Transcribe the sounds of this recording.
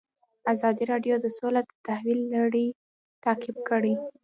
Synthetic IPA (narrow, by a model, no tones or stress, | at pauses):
azɑd̪iɾɑɖjod̪əsolad̪ət̪ahwilːaɽi | t̪ɑqɪb̚kəɽi